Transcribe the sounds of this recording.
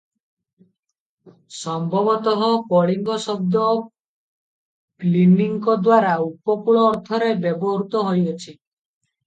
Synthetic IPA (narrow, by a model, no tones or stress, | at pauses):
sɔmbʱɔbɔt̪ɔɦɔkɔɭiŋɡɔsɔb̚d̪ɔ | pliniŋkɔd̪waɾaupɔkuɭɔːɾt̪ʰɔɾebjebɔɦɾut̪ɔɦojɔt͡ʃʰi